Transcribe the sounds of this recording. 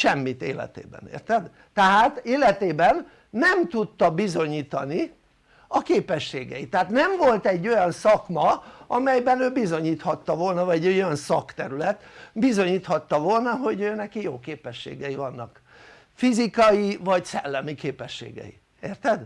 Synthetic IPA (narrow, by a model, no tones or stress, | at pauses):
ʃɛmːit̪ḛːlɛ̰t̪ḛːbɛ̰nḛːrt̪ɛd̪ | t̪ɛɦaːt̪eːlɛt̪eːbɛnː | ɛmt̪ut̪ːɒbizo̞ɲiːt̪ɒni | ɒkeːpɛʃːeːɡɛ̰jit̪ɛɦaːt̪nɛmvo̞lt̪ɛɟːo̞jɒnsɒkmɒɒmɛjbɛnøːbizo̞ɲiːt̪hɒt̪ːɒvolnɒvɒɛɟøojɒnsɒkt̪ɛɾylɛt̪bizo̞ɲiːt̪hɒt̪ːɒvo̞lnɒɦo̞ɟøːnɛkijoːkeːpɛʃːḛːɡɛjivɒnːɒk | fizikɒjivɒcsɛlːɛmikeːpɛʃːḛːɡɛ̰jḭ | eːrt̪ɛd̪